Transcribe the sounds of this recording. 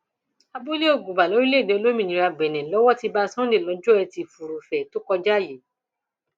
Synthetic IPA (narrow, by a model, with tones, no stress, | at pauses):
a˧bo˦li˦o˦˨ɡu˨ba˨lɔ˨˦ɾi˦le˦˨dẽ˨˧o˧lo˦mĩ˦˨nĩ˨˦ɾa˧ɡ͡bɛ˨nɛ̃˨lɔ˨˦wɔ˦ti˧ba˧sɔ̃˦de˦˨lɔ̃˨˧˦d͡ʒɔ˦ɛ˧ti˧fu˨ɾu˨fɛ˨to˦kɔ˧d͡ʒa˦˨je˨˦